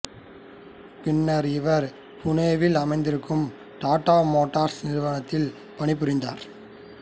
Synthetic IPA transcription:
pɪɳːɐɾɪʋɐɾ | pʊneːʋɪlɐmɐɪnd̪ɪɾɯkːɯm | ʈaːʈːaːmoːʈːaːɾsnɪɾɯʋɐɳɐt̪ːɪl | pɐɳɪp̬ːɯɾɪnd̪a̰ːɾ

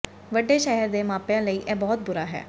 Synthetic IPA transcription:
ʋəɖːeːʃɛɦəɾd̪eːmãːpjãːləiːʔɛːbɔːt̪̚bʊɾaːɦɛ̰ː

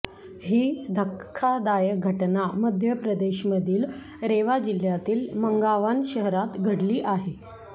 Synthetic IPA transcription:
ɦiːd̪ʱəkʰːad̪ajəɡʱəʈnaməd̪ʱjəpɾəd̪eɕməd̪ʱiːl | ɾeʋad͡ʑil̤jat̪iːlməŋɡaʋanɕəɦɾat̪ɡʱəɽliːʔaɦe

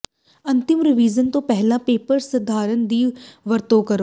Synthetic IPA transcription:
ɐ̃nt̪ɪmɾɪʋiːzənt̪õːpɛɦlãpeːpəɾsɐd̪ʱaːɾənd̪iːʋəɾt̪oːkɐɾoː

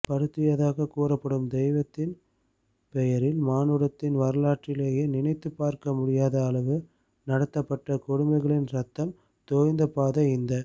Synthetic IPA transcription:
pɐɾɯt̪ːɪjɐðaːɣɐkuːɾɐpːɐɽɯmd̪ɛjʋɐt̪ːɪn | pɛjɐɾɪlmaːnɯɾɐt̪ːɪnʋɐɾɐlaːʈrɪleːjeːnɪnɐɪt̪ːɯpːaːɾkɐmʊɽɪjaːðɐːlɐʋɯ | nɐɽɐt̪ːɐpːɐʈːɐkʊɽʊmbɐɪɣɐɭɪnɾɐt̪ːɐm | t̪oːjnd̪ɐpaːðɐɪnd̪ɐ

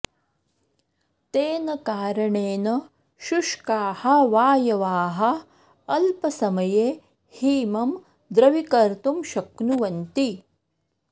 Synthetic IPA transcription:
t̪eːnɐkaːɾɐɳeːnɐ | ʃuʂkaːhɐʋaːjɐʋaːɦɐ̆ | ɐlpɐsɐmɐjeː | hiːmɐm | d̪ɾɐʋikɐɾt̪umʃɐknuʋɐnt̪i

